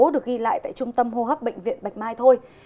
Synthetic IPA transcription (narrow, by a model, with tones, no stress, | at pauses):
o˨˦ɗɨ˨˩ək̚ɣi˧la̰ː˧˨jt̪a̰ː˧˨jt͡ɕʊ˧ŋ͡mt̪ə˧mɦo˧ɦəː˦˥p̚ɓə̰˧˨ŋ̟vḭ˧˨ənɓa˨˩jk̟̚maː˧jt̪ʰo˧j